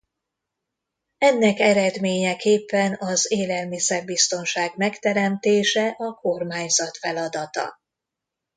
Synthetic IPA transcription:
ɛnːɛkɛɾɛd̪meːɲɛkeːpːɛnɒzeːlɛlmisɛrbist̪o̞nʃaːɡmɛkt̪ɛɾɛmt̪eːʃɛʔɒko̞rmaːɲzɒt̪fɛlɒd̪ɒt̪ɒ̰

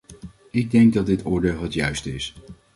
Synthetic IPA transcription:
ɪɡ̚dɛŋɡ̚dɑt̚dɪtʊːɹdeːlˠɦətjœɥstəɪs

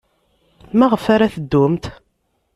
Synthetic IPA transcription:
mæʁəfaɾaθəd̪ːʊmt̪

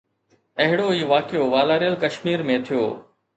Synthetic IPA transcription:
ɐɦɪɽoiːʋaːkɪjoʋaːlaːɾijəlkɐʃmiːɾmẽt̪ʰijo̰ː

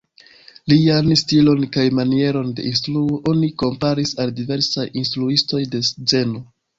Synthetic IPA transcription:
lianstilo̞nkajmanie̞ɾo̞nde̞ʔinstɾuoʔo̞niko̞mpaɾisaldive̞ɾsajinstɾuisto̞jde̞sze̞no

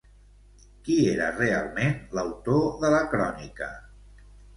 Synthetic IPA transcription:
kieɾə̰realˠmenləwt̪oðələkɾɔnikə

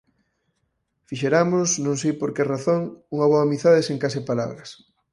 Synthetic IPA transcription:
fiʃeɾamosnõŋsejpoɾkeraθoŋuŋɐβoamiθaðeseŋkasepala̰βɾɐs

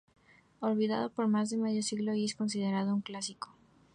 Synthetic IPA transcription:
olβiða̰ð̞opo̞ɾmazðemeðjosiɣloiesko̞ns̬ið̞eɾaðouŋklasiko

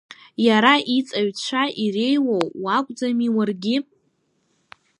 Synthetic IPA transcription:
jaɾaʔit͡sʼaɥʈ͡ʂʷʰaʔirejwowwakʷʼd͡zamiwarɡʲɪ

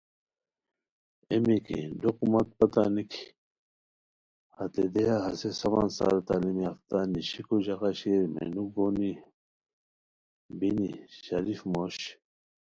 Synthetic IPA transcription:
emikḭdoqumɐt̪̚pɐt̪anikʰi | hɐt̪ed̪ejaɦɐsesɐʋaːnsa̰ːɾt̪aːlimiɐft̪aniɕikuʑɐkaɕeɾmḛnuɡoni | biniɕɐɾifmoːɕ

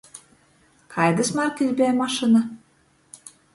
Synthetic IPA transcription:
kʰɑjd̪ə̆smɑrkizʲbeæmɑʃinɑ

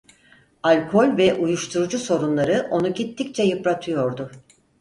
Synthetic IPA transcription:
alʲkʰo̞lʲvɛʔujuʃt̪ʰuɾud͡ʒuso̞ɾunlˠaɾɯʔo̞nuɟit̪ːic̚t͡ʃʰɛjɯpɾat̪ʰɯjo̞ɾd̪ʊ

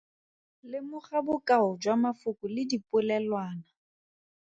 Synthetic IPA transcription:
lɪmʊχabʊkʼaʊd͡ʒwamafʊkʼʊlɪdipʼʊlɛlwaːna

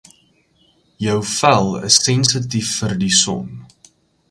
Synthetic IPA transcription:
jəwfælˠə̰sːɛnsətifːərdisɔ̰n

